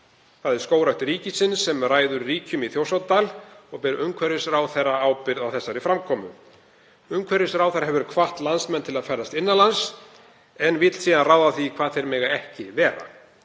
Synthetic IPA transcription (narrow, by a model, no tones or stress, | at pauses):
θaðɛɾ̥skoːwɾawt̪ɾiːcɪsɪnsːɛmraːjðʏɾriːcʏmiθjowsaw̪t̪aːlɔɣpɛɾʏmkʰvɛɾɪsɾawθɛrːaaːwpɪɾðawθɛsːaɾɪfɾamkʰɔːmʏm | ʏmkʰvɛɾɪsɾawθajɾaɦɛvʏɾkʰvaht̪lansmɛnːt̪ʰɪlaðfaːjɾðast̪ɪnːalans | ɛnvɪt̪l̥siːðanraːwðaθikʰv̥aːðθejɾmɪɣaɛhcɪvɛːɾa̰